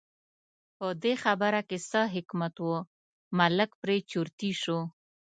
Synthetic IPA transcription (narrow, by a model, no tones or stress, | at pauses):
pəd̪exabəɾakesəɦɪkmat̪wo | maləkpɾet͡ʃuɾt̪iʃo